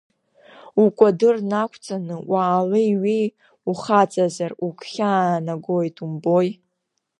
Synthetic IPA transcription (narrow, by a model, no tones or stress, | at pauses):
ukʷʼadɨrnakʷʰt͡sʼanɨwaːlɨiɥi | uχat͡sʼazarukʰʷχʲaːnaɡojtʰʼumboj